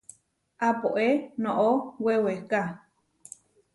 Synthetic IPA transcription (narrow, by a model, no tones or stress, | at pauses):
apoʔenõʔoweweka